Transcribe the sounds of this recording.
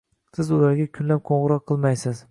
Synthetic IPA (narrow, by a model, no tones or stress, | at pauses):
sɪzʊlaɾɡʲakʲʰʊnlap̚qʰoɴʁɨɾɒqʰːɨlˠmajsɪz̥